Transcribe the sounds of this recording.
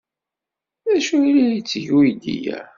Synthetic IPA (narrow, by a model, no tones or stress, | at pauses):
æʃuilijət͡sːəʝujd̪ḭjæ̰